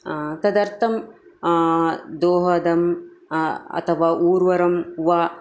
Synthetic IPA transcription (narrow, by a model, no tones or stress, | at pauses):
t̪ɐd̪ɐɾt̪ʰɐm | d̪oːɦɐd̪ɐm | ɐ̰t̪ʰɐʋaːʔuːɾʋɐɾɐmʋa